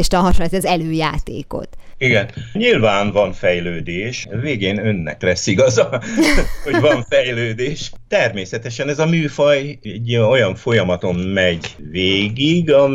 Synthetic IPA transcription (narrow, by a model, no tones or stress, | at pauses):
eʃt̪ɒɦɒʃoɛzɛzɛløːja̰ːt̪ḛːko̰t̪iɡɛnɲilvaːnvɒnfɛjløːd̪eːʃveːɡeːnø̞nːɛ̰klɛsːiɡɒzɒ | ho̞ɟvɒɱfɛjløːd̪eːʃt̪ɛrmeːsɛt̪ɛʃɛnɛzɒmyːfɒjɛɟːo̞jɒɱfo̞jɒmɒt̪o̞mmɛɟveːɡiɡɒ